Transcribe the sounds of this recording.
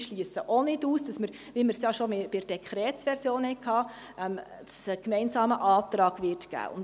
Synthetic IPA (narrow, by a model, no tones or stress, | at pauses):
ʃliəsəʔonɪduːsd̥ɑsməɾ | ʋiməɾsjɑʃomebɪɾd̥ɛkχɾɛːtsʋɛɾsjoːnhɛɪkʰɑː | ɛm | dɑssəkmɛɪnsɑːməʔɑːt̪ɾɑːɡ̥ʋɪɾtɡ̥æ̰ːʔʊ̰n